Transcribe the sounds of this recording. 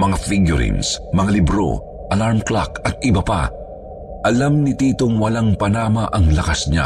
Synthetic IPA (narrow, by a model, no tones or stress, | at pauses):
mɐŋafiɡjʊɾḭnsmɐŋalɪbɾo̞̰ | ʔɐlaɹmklakɐt̪̚ʔɪbɐpa̰ | ʔɐlamnɪt̪iːt̪o̞ŋwɐlaŋpɐnaːmɐʔɐŋlɐkasɲa̰